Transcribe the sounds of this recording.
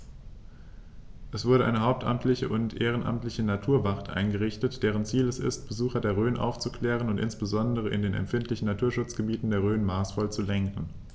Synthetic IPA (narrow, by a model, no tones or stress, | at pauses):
ʔɛsv̥ʊɐɾəʔaɪnəhaʊp̚tʰʔa̰mtlɪçəʔʊntʔeːʁ̞ənʔa̰mtlɪçənatʰuːɐvaʁtʔa̰ɪnɡəʁɪçtətd̥eːʁ̞ənt͡siːlɛsɪ̰stb̥əzuːxɐdeːɐʁøːnʔa̰ʊft͡sukl̥ɛːʁ̞ənʊntʔɪ̰nsb̥əzɔndəʁ̞əʔɪ̰ndeːnɛ̰mfɪntlɪçn̩natʰuːɐʃʊt͡sɡ̥əbiːtn̩deːɐʁ̞øːnmaːsfɔlt͡sulɛŋkŋ̩